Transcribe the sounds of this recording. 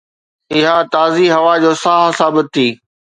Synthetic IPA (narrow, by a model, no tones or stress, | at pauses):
ɪɦat̪aːziɦɐʋad͡ʑoːsaɦsaːbɪt̪ʰːiː